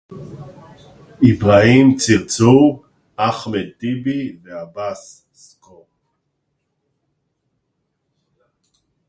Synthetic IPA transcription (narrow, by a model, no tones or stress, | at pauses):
ibʁaimt͡siʁt͡su | aχmet̪ibiveabas | sko